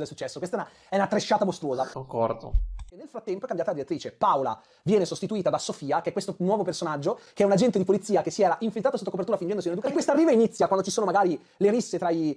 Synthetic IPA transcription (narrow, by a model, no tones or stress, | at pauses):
d̪elsut͡ʃːɛsːokwest̪ɛn | ɛunat̪ːɾet͡ʃːaːt̪amost̪ɾuoːzakoŋkɔrd̪o̰enːelfɾat̪ːɛmpoɛkambjat̪lad̪iɾet̪ːɾiːt͡ʃepawla̰ | vjɛːnesost̪it̪uiːt̪ad̪asofiːakeɛkːwest̪onwɔːvopersonad͡ʒːokeɛunad͡ʒɛnt̪ed̪ipolit̪sːiːakesːiɛːɾaʔiɱfilt̪ɾat̪sot̪ːokopert̪uːɾafind͡ʒɛnd̪sinelad̪ukakwest̪arːiːvainit̪sːjakwand̪ot͡ʃisoːnomaɡaːɾi | leɾisːet̪ɾai